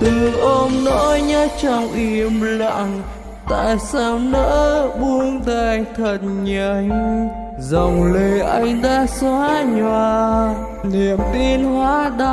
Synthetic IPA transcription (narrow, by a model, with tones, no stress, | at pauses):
t̪ɨ˨˩ʔo˧mno̰˧˥jɲə˧˥t͡ɕɔ˧˩wŋ͡mʔi˧˩əmla̰ː˧˨ŋ | t̪a̰ː˧˨jsaː˧mnə̰ː˧˥ɓu˧əŋt̪aː˧˩jt̪ʰə˨˩t̚ɲə˧˩ŋ | zə˨˩wŋ͡mleə˨˩ʔa˧jŋ̟ɗaː˧˥swaː˧˦ɲwaː˧˩ | ni˧˨˩əmt̪i˧nɦwaː˨˦ɗa˧